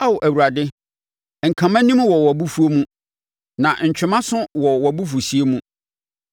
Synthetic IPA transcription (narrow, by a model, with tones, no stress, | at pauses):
a˦wʊ˨ʔæ˨wu˨ɾa˨dɪ˦ | ŋ̩˨kʰã˨mã˦nĩ˦mwɔ˨wɔ˨bu˦fu˦o˦mũ˦ | nã˨ɲ̩˨t͡ɕᶣɪ˨mã˦sʊ̃˦wɔ˨wɔ˨bu˦fu˨si˨˦e˦mũ˦